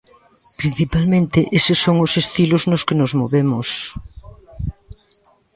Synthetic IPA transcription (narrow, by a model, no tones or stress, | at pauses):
pɾin̟θipalmẽnt̪ɪʔesɪsoŋʊsest̪ilʊznʊskenʊzmoβemʊs